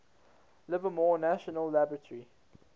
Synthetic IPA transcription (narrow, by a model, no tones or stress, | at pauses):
lɪvəmɔːnæʃənəlːabɹətʰəɹi